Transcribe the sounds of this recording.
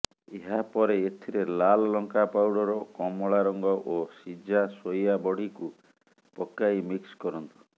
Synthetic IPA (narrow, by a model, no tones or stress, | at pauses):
eɦapɔɾeːt̪ʰiɾelalɔlɔŋkapawɽɔɾɔkɔmɔɭaɾɔŋɡɔʔosid͡ʒasojabɔɽ̤iku | pɔkːajmikskɔɾɔnt̪u̥